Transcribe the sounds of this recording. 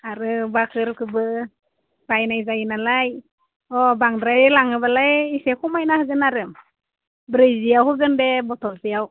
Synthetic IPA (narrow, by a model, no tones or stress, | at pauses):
aɾɯbakʰɯɾkʰɯbɯ | bajnajzajinalaj | ɔbaŋdɾaɾilaŋɯbalajisekʰumajnahɯzɯnaɾɯm | bɾɯzijawɦɯɡɯndɛbɔtʰɔzijaw